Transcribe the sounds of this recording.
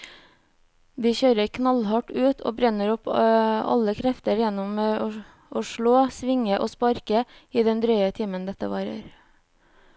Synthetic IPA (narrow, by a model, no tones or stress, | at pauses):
d̪iːçøːɾəɾkʰnɑlhɑʈʉːt̪ʰo̰ːbɾɛnəɾɔpɑ̰ləkʰɾɛft̪əɾjɛnɔmeː | ʔoːʃɭoːsʋɪŋəʔoːspɑɾkəiːd̪ɛnd̪ɾœʏət̪ʰɪːmənd̪ɛt̪ə̰ʋɑːɾə̰ɾ